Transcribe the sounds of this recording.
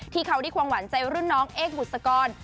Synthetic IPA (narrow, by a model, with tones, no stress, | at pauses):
t̪ʰiː˥˩kʰa˦˥wda˥˩kʰwaː˧ŋwa˩˦nt͡ɕa˧jɾu˥˩nːɔː˦˥ŋʔeː˥˩k̚bu˨˩t̪̚sa˧kɔː˧n